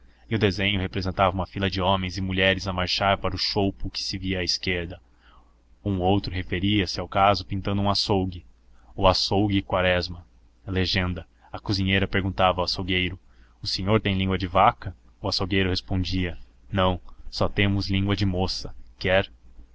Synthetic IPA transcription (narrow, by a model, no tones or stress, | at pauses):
ɪʊd̪ezẽɲʊhepɾezẽnt̪avɐũmɐfilɐd͡ʒɪõmẽj̃zɪmuʎɛɾɪzɐmaɾʃaɾpaɾʊʃowpʊkɪ̥sɪviɐːɪskeɾd̪ɐ | ũowt̪ɾʊɦefeɾiɐsɪawkazʊpĩnt̪ɐ̃nd̪ʊũasowɡɪ | ʊasowɡɪkwaɾɛzmɐ | leʒẽnd̪ɐ | ɐkuzĩɲejɾɐpeɾɡũnt̪avɐawasowɡejɾʊ | ʊsẽɲoɾt̪ẽj̃lĩŋɡwɐd͡ʒɪvakɐ | ʊasowɡejɾʊhespõnd͡ʒiɐ | nɐ̃w̃sɔt̪ẽmʊzlĩŋɡwɐd͡ʒɪmosɐkɛɾ